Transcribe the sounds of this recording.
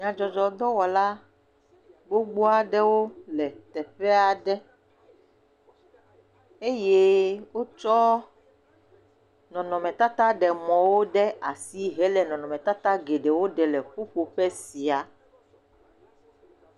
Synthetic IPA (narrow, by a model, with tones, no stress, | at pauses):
ɲ̃˨ã˨d͡ʒɔ˨d͡ʒɔ˨d̪ɔ˦wɔ˨la˦ | ɡ͡bo˦ɡ͡bo˦a˨ɖɛ˦wo˦lɛ˨t̪ɛ˨ɸɛ˦a˨ɖɛ˦ | e˦je˦wo˦t͡ʃɔ˦ | nɔ̃˨nɔ̃˨mɛ̃˨t̪a˦t̪a˦ɖɛ˨mɔ̃˨wo˦ɖɛ˦a˨si˦ɦɛ˦lɛ˨nɔ̃˨nɔ̃˨mɛ̃˨t̪a˦t̪a˦ɡe˨ɖɛ˨wo˦ɖɛ˨lɛ˨ɸu˦ɸo˨ɸɛ˦si˨a˨